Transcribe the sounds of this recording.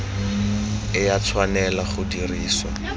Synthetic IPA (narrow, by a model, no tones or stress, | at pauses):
ɪjat͡sʰwanɛlaχʊdiriːsɔ